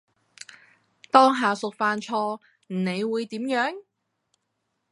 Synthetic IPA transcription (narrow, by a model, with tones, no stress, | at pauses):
t̪ɔː˥ŋɦaː˨sʊ˨k̚faː˨˧nt͡ʃʰɔː˧ | m̩˨˩ne˨˧jwuː˨˧jt̪iː˨˥mjœː˨˥ŋ